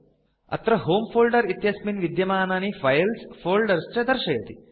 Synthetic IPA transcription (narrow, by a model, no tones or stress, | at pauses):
ɐ̰t̪ɾɐɦoːmfʰoːlɖɐɾit̪jɐsminʋid̪jɐmaːnaːnifʰɐjlsfʰoːlɖɐɾst͡ʃɐd̪ɐɾʃɐjɐt̪i